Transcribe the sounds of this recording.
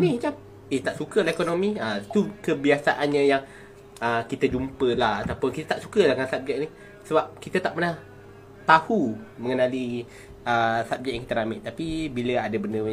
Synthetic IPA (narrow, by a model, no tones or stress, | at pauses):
nid͡ʒap̚ | eht̪aʔsukəlahekonomiət̪ukəbiasaʔanɲə̃jaŋ | əkit̪əd͡ʒumpəlahat̪awpʊnkit̪at̪aʔsu̥kəlahŋansap̚d͡ʒaʔni | səbap̚kit̪ət̪aʔpənah | t̪ahuməŋənali | əsap̚d͡ʒaʔjaŋkit̪əɾamɪʔt̪apibiləadəbəndə